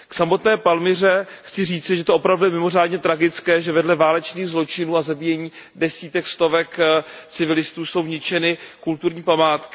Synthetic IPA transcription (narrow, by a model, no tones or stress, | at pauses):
ksamo̞t̪nɛːpalmɪr̝ɛxt͡sɪriːt͡sɪʒɛt̪oopɾavdujɛmɪmo̞r̝aːdɲɛt̪ɾaɡɪt͡skɛːʒɛvɛdlɛvaːlɛt͡ʃniːɣzlo̞t͡ʃɪnuːazabiːjɛɲiːdɛsiːt̪ɛkst̪o̞vɛkt͡sɪvɪlɪst̪uːso̞wɲɪt͡ʃɛnɪkult̪uɾɲiːpamaːt̪kɪ̥